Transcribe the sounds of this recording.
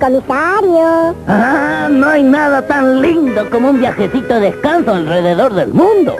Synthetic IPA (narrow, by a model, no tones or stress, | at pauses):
komisaɾjoanoajnaðat̪anlind̪okomoumbjaxesit̪oðeðeskansoalreðeðo̞ɾðḛlmũnd̪o̰